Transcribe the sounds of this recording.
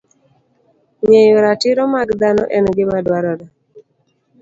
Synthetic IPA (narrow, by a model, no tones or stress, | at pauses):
ɲejoɾatɪɾɔmaɡd̪anɔ̰ʔɛnɡɪmadwaɾɔɾa